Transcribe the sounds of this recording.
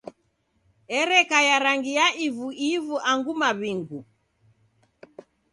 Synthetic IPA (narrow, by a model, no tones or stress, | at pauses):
ɛɾɛkajaɾaŋɡijaʔivuʔivuʔaŋɡumaβiŋɡu